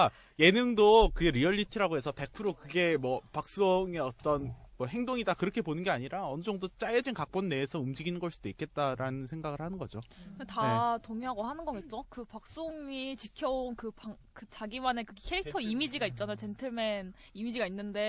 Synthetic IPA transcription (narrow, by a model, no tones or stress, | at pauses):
ka | je̞nɯŋdokɯɡe̞ɾiʌʎːitʰɯɾaɡoe̞sʰʌpe̞k̚pʰɯɾokɯɡe̞mwʌpak̚s͈oŋeʌt͈ʌnmwʌhe̞ŋdoŋidakɯɾʌkʰe̞ponɯnɡe̞aɲiɾaʌnɯd͡ʑʌŋdot͡ɕ͈ajʌd͡ʑinkak̚p͈onːe̞ːsʰʌumd͡ʑiɡinɯnɡʌɭs͈ud̥oik͈e̞t̚t͈aɾanɯnsʰe̞ŋɡaɡɯɭhanɯnɡʌd͡ʑokɯndetatoŋiɦaɡohanɯnɡʌɡet̚t͡ɕ͈okɯpak̚s͈oŋit͡ɕikʰjʌonkɯpa | kɯt͡ɕaɡiwanekɯɡekʰeɾik̚tʰʌimid͡ʑiɡait̚t͡ɕ͈anajot͡ɕe̞ntʰɯɭmen | imid͡ʑiɡainːɯnde̞